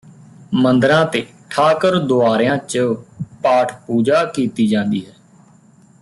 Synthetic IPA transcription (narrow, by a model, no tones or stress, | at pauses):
mənd̪ɾãːt̪eː | ʈʰaːkəɾd̪oaːɾejãːt͡ʃəpaːʈʰpuːd͡ʒaːkiːt̪iːd͡ʒãːnd̪ḭːɦɛː